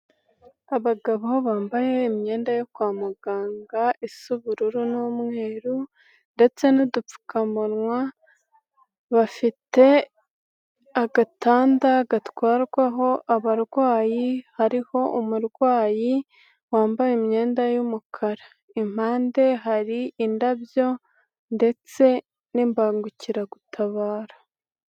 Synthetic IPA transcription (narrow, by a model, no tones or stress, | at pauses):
aβaɡaβahoβaːmbaje̞ːmɲe̞ːndajokwaːmuɡaːŋɡaʔisuβuɾuɾunomŋe̞ːɾu | nde̞t͡se̞nidup͡fu̥kamuɾŋwa | βafite̞ | aɡataːndaɡatwaːɾɡwaɦo̞ʔaβaɾɡwaːjihaɾiho̞ʔumuɾɡwaːji | waːmbajemɲe̞ːndajumukʰaɾa | im̥haːnde̞ɦaɾiːndaβjo̞ | nde̞t͡se̞ | nimbaːŋɡuciɾaɡutʰaβaːɾḁ